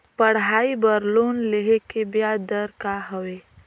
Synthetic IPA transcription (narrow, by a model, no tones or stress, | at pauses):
pəɽ̤aːibəɾlonleɦekebjad̪əɾkaɦəwe